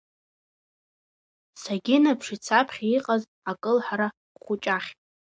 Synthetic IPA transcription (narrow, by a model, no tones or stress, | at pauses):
saɡʲɪnapʰʂit͡sʰapʰχʲiqʼaz | akʼɨlħaɾa | χʷʊt͡ʃʼaχʲʼ